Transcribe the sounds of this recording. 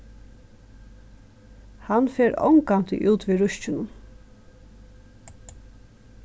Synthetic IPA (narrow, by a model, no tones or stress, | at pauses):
hanfeːɾɔ̰ŋkant̪ɪ̰ʔuːt̪ʋiːɾʊʃt͡ʃɪnʊn